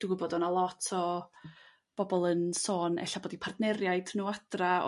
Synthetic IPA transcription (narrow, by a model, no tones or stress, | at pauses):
d̥uɡʊbodɔnɔlˠɔtʰɔ | b̥ɔbɔlˠənsoːnɛ̰ɬaboːdipʰardnɛɾjaɨdnuːad̥ra̰